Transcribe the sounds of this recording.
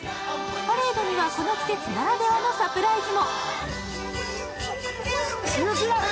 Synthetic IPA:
paɾeːd̪oɲ̟iβaso̞no̞t͡sɨ̥ke̞t͡sɨnaɾad̪e̞βanosapɯ̟ɾaid͡ʑino | sobɯɾa

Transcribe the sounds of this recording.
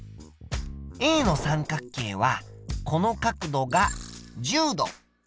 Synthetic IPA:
ĩno̞sãŋkakːe̞ːβakʰo̞no̞kakɯ̟d̪o̞ɡad͡ʑɨːd̪o̞̰

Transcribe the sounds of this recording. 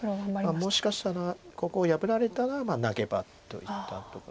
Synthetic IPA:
mamo̞ɕi̥kaɕi̥t̪aɾako̞ko̞ːjabɯ̟ɾaɾe̞t̪anoamaːnaɡe̞ba̰t̪ːo̞̰it̪ːa̰t̪o̞ka

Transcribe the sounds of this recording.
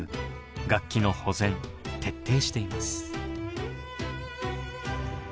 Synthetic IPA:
ɯ | ɡakʲːino̞ho̞zẽ̞nt̪ʰe̞t̪ːe̞ːɕi̥t̪e̞imasɨ̥

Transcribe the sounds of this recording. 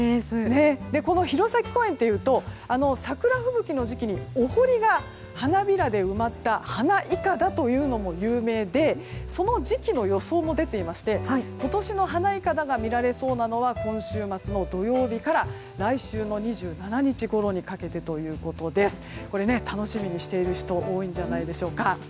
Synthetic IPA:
ne̞d̪e̞ko̞no̞çiɾo̞sakʲi̥ko̞ẽ̞nt̪ːe̞jɯ̟ːt̪o̞ano̞sakɯ̟ɾaɸɯ̟bɯ̟kʲino̞ʑikʲiɲ̟iohoɾʲiɡa | hanabʲiɾad̪e̞ɯ̟mat̪ːahanaʔikad̪at̪o̞jɯ̟ːno̞mo̞jɯːme̞ːd̪e̞so̞no̞d͡ʑikʲino̞jo̞so̞ːmo̞d̪e̞t̪e̞imaɕi̥t̪e̞hko̞t̪o̞ɕino̞ɦanaikad̪aɡamʲiɾaɾe̞so̞ːnano̞βakõ̞ɰ̃ɕɨːmat͡sɨno̞d̪o̞jo̞ːbʲikaɾa | ɾaiɕɨːno̞ɲ̟iʑɨːnanaɲ̟it͡ɕiɡo̞ɾo̞ɲ̟ikake̞t̪e̞t̪o̞jɯ̟ːko̞t̪o̞d̪e̞sɨ̥ko̞ɾe̞ne̞t̪ano̞ɕimʲiɲ̟iɕi̥t̪e̞iɾɯ̟çi̥t̪o̞ʔo̞ːĩɲ̟d͡ʑanaid̪e̞ɕo̞ːka

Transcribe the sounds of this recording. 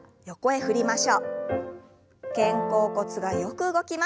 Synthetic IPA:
jo̞ko̞e̞ɸɯ̟ɾʲimaɕo̞ː | kẽ̞ŋko̞ːko̞t͡sɨɡajo̞kɯ̟ɯɡo̞kʲima

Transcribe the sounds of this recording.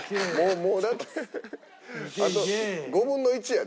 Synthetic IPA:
moːmoːd̪at̪ʰːe | at̪oɡo̞bɯ̟̃nːo̞it͡ɕija

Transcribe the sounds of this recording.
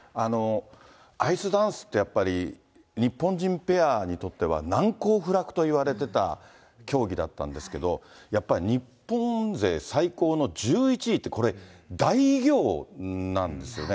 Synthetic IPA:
ano̞ | aisɨd̪ãɰ̃sɨ̥t̪ːe̞japːaɾʲi | ɲ̟ipːõɲd͡ʑĩmpe̞aɲ̟it̪o̞t̪ːe̞β̞a̰nãŋko̞ːɸɯ̟ɾakɯ̟̥t̪o̞iβaɾe̞t̪e̞t̪a̰ | kʲo̞ːɡʲid̪at̪ːã̰nd̪e̞sɨ̥ke̞d̪o̞japːaɾʲiɲ̟ipːõ̞ze̞ːsaiko̞ːno̞d͡ʑɨːit͡ɕiːt̪ːe̞ko̞ɾe̞d̪aiɡʲo̞ːnãnd̪e̞sɨjo̞̰ne

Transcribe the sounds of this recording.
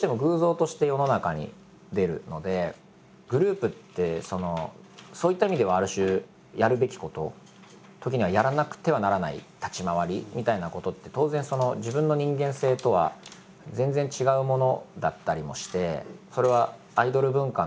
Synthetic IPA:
oːɕit̪e̞mo̞ɡɯ̟ːzo̞ːt̪o̞ɕi̥t̪e̞jo̞no̞nakaɲ̟ḭ | d̪e̞ɾɯ̟̰no̞d̪e̞ | ɡ̥ɯ̟ɾɯ̟ːpɯ̟t̪ːe̞so̞no̞ | so̞ːit̪ːaimʲid̪e̞β̞aːɾɯ̟ɕɨː | jaɾɯ̟be̞kʲi̥ko̞t̪o̞̰ | t̪o̞kʲiɲ̟iβajaɾanakɯ̟̥t̪e̞β̞anaɾana̰ḭt̪at͡ɕimaβ̞aɾʲimʲit̪ainako̞t̪o̞t̪ːe̞t̪o̞ːzẽ̞ɰ̃so̞no̞ʑibɯ̃nːo̞ɲ̟ĩŋɡẽ̞ɰ̃se̞ːt̪o̞βa̰ | zẽ̞nd͡zẽ̞ɲt͡ɕiɡaɯ̟mo̞no̞d̪a̰t̪ːaɾʲimo̞̰ɕi̥t̪e̞so̞ɾe̞β̞a | aid̪o̞ɾɯ̟bɯ̟̃ŋka

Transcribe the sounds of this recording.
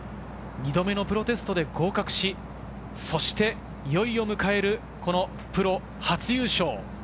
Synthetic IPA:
ɲʲid̪o̞me̞no̞pɯ̟ɾo̞t̪e̞sɨ̥t̪o̞d̪e̞ɡo̞ːkakɯ̟̥ɕi | so̞ɕi̥t̪e̞ | jo̞io̞mɯ̟kae̞ɾɯ̟ | ko̞no̞ | pɯ̟ɾo̞ | hat͡sɨjɨːɕo̞ː

